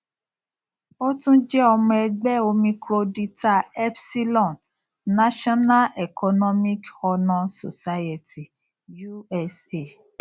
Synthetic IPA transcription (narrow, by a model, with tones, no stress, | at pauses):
o˦tũ˦d͡ʒɛ˦ɔ˧mɔ̃˧ɛ˧ɡ͡bɛ˦o˧mĩ˧kɾo˧di˧ta˧ɛ˦bsi˦lɔ̃˦˨n | na˦ʃɔ˦na˦lɛ˨kʰɔ˧nɔ˦mĩ˦kɔ˧nɔ̃˧so̰˨sa˦je˨ti˨ | ju˦ɛ˧se˨